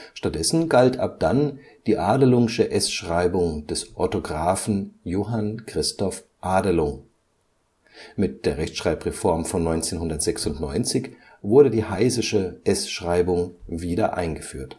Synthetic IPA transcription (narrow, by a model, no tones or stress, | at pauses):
ʃtat̚d̥ɛsn̩ɡaltʰa̰p̚d̥an | d̥iːʔaːdəlʊŋʃəʔɛsʃʁ̥aɪbʊŋd̥ɛsʔɔtoɡʁaːfn̩joːɦankʁ̥ɪstɔf | ʔaːdəlʊŋ | mɪt̚d̥eːɐʁɛçtʃʁ̥aɪpʁɛfɔɐmfɔnːɔʏnt͡seːnhʊndɐtz̥ɛksʊntnɔʏnt͡sɪç | vʊɐɾədiːhaɪzɪʃəʔɛsʃʁ̥aɪbʊŋviːdɐʔa̰ɪnɡəfy̰ːɐt